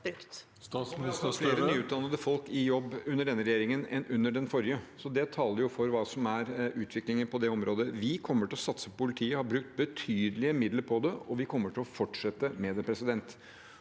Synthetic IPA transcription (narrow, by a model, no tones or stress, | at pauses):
bɾʉkt̪ | fleːɾənyːʉːt̪̚d̪ɑnəd̪əfɔlkɪjɔbːʉnːəɖɛnːəɾɛjeːɾɪŋənɛnʔʉnːəɖɛnfɔɾjəsɔd̪ɛt̪ʰɑːləɾjʊfɔɾʋɑːsɔmæɾʉːt̪ʰʋɪklɪŋənpʰɔd̪ɛɔmɾoːd̪əʋɪkʰɔmːəʈɪlɔsɑt̪səppʊlɪt̪ʰiːəhɑɾbɾʉk̚t̪̚bət̪ʰyːd̪əlɪəmɪd̪ləɾpʰɔd̪ɛɔʋɪkʰɔmːəʈʰɪlɔfɔʈʂɛt̪ːəmɛd̪ɛpʰɾɛsɪd̪ɛnt̪